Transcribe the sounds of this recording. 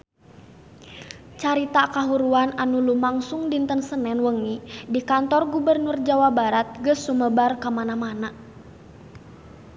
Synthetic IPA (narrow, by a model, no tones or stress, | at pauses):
t͡ʃaɾit̪akaɦuɾuananulumaŋsuŋdint̪ənsənɛnwəŋnidikant̪ɔrɡubərnurd͡ʒawabaɾat̪̚ɡəsːuməbarkamanamana